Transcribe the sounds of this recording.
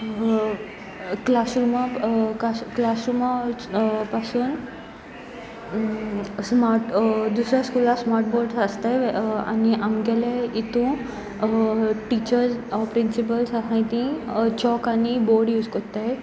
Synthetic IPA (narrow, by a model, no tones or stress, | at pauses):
klasɾumakasklasɾuma | pasuːn | smaɾʈd̪usɾjaskulasmaɾʈbɔɾɖsast̪aja̰niʔamɡɛlait̪ũ | ʈit͡ɕəɾsɔpɾinsip̬əlsakãjt̪ĩt͡ɕɔkanibɔɾɖjuːd͡zkɔt̪a